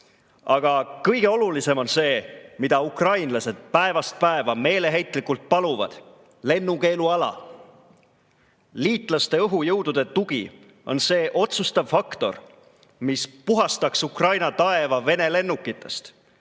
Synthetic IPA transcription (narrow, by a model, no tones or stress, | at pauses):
ɑɡ̥ɑkɤjɡ̥e̞o̞lulise̞mo̞nse̞ːmid̪̥ɑukrɑjnlɑse̞d̪̥̚pæe̞vɑst̪̚pæevɑme̞ːle̞ɦe̞jt̪ːˑlikult̪̚pɑluvɑ̰d̪̥ | le̞nːuke̞ːluɑlɑ̰ | liːt̪ˑlɑst̪e̞ɤɦujɤwd̪̥ud̪̥e̞t̪uɡ̥i | o̞nse̞ːʔo̞t̪sust̪ɑvfɑkt̪o̞̰r | mispuɦɑst̪ɑksukrɑjnɑt̪ɑe̞vɑve̞ne̞le̞nːukːˑit̪ːˑe̞st̪